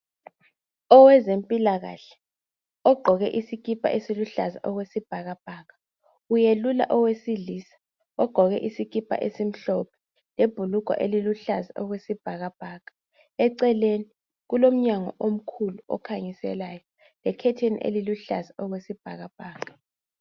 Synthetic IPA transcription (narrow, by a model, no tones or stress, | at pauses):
ɔwɛzempʼilaɣa̰ɬɛ̥ | ɔɡ͡ǃʱɔɣɛ̰ʔisik̬ʼipʰʼa̰ʔesiluɬaza̰ʔɔɣwesib̥ʱaɣab̥ʱaːɣa | ujelula̰ʔɔwesiɮiːsḁ | ɔɡ͡ǃʱɔɣɛʔisikʼipʰa̰ʔesim̩ɬɔpʰɛ̥ | leb̥ʱuluɡ̥ʱa̰ʔeliluɬazaʔɔɣwesib̥ʱaɣab̥ʱaːɣḁ | ɛǀɛleni | ɣulom̩ɲaŋɔ̰ʔom̩kʰuluɔ̰kʰaŋisɛ̰laːjɔ | lɛkʰɛtʰenḭʔḛliluɬazaʔɔɣwesib̥ʱaɣab̥ʱaːka